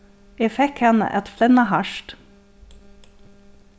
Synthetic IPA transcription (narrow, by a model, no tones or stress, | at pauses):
ʔeːfɛkhɛnə̰ʔɛt̪flɛnɑhɑʃt